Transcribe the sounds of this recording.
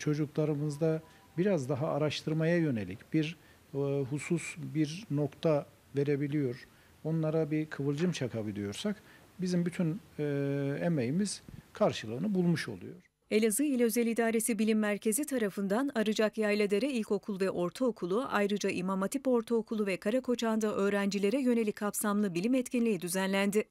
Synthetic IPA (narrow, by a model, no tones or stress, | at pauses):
t͡ʃʰo̞d͡ʒuklˠaɾɯmɯzd̪a | biɾazd̪aɦaːɾaʃt̪ʰɯɾmajajø̞ne̞lʲicbiɾ | ɦususbiɾno̞kt̪ʰa | ve̞ɾe̞bilʲijo̞ɾ | o̞nlˠaɾabikʰɯvɯlˠd͡ʒɯmt͡ʃʰakʰabɯd̪ijo̞ɾsak | bizimbyt̪ʰyn | emejimiz̥kʰaɾʃɯlˠɯːnɯbulˠmuʃo̞̰lˠṵjo̞ɾ̥ | e̞lʲazɯilʲɛøzelʲid̪aːɾe̞sibilʲimːæɾcʰe̞zit̪ʰaɾafɯnd̪anaɾɯd͡ʒakjajlʲed̪ʲe̞ɾɛilʲco̞kʰulˠvɛʔo̞ɾt̪ʰaokʰulˠuʔa̰jɾɯd͡ʒaʔimamat̪ʰipo̞ɾt̪ʰaokʰulˠuvɛkʰaɾakʰo̞t͡ʃʰand̪ɯʔø̞ːɾænd͡ʒilʲe̞ɾɛjø̞ne̞lʲickʰːapsamlˠɯbilʲimɛt̪cinlʲijid̪yzænlʲænd̪ɪ